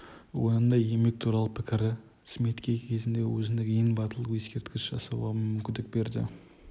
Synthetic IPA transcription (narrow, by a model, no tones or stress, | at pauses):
wonənd̪ɑje̞me̞k̚t̪ʰuɾɑlˠəpʰɪkʲɪɾɪ | smet̪kʲekʲʰe̞zɪnd̪ewɵzɪnekʲeŋbɑt̪əlˠəqjeskʲe̞ɾt̪kʲɪsʒ̥ɑsɑbɑənmʏmkʲɪnd̪ɪk̚be̞ɾd̪ɪ̰